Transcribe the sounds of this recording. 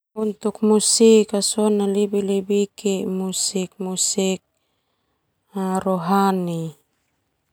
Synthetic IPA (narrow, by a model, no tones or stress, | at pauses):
unt̪ukmusikasonalibilibikemusik̚musik̚ | aɾoɦani